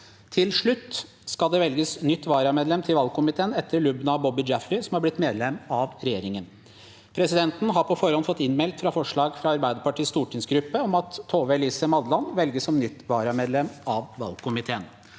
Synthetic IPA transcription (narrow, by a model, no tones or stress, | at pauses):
t̪ʰɪlʂɭʉt̪ː | skɑld̪ɛʋɛlɡəsnʏt̪ːʋɑːɾɑmeːd̪lɛmt̪ʰɪlʋɑlkʊmɪt̪ʰeːənɛt̪ʰːəɾɭʉbnɑbɔbɪd͡ʒæfɾɪsɔmhɑɾblɪt̪ːmeːd̪lɛmːɑʋɾɛjeːɾɪŋən | pʰɾɛsɪd̪ɛnt̪n̩ɦɑɾpʰɔfɔɾhɔnfɔt̪ːɪnmɛlt̪fɾɑfɔʂɭɑːɡfɾɑɑɾbæɪd̪əɾpɑʈiːst̪uːʈʰɪŋsɡɾʉpːəɔmɑt̪ʰːoːʋɛliːsəmɑd̪lɑnʋɛlɡəsɔmnʏt̪ːʋɑːɾɑmeːd̪lɛmɑʋʋɑ̰lkʰʊmɪt̪ʰeːən